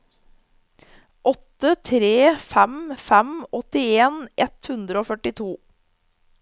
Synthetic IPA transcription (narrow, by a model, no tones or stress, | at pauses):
ʔɔt̪ət̪ʰɾeːfæmfæmɔt̪ɪeːnʔɛt̪hʉnd̪ɾəoːfœʈɪt̪ʰuː